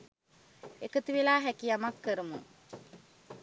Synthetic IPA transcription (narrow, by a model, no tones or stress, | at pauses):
ekət̪iʋilaːɦækijamakːəɾəmṵ